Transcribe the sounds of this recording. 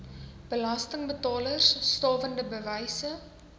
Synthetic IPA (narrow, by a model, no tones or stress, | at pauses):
b̥əlɐstəŋbətɑːlərsːtɑːvəndəbəvɛjsə